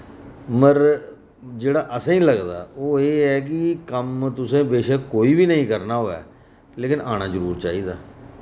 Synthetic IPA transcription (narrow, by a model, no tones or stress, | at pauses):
məɾ | d͡ʒeːɽaːʔəsãːĩːləɡd̪a̰ːoːeːɛːk̬ɪkəmt̪ʊsẽːbeːʃəkoːiːbiːnəĩːkəɾnaːɦoːɛ̰ː | leːkɪnʔaːɽ̃aːd͡ʒəɾuːɾt͡ʃaːiːd̪aː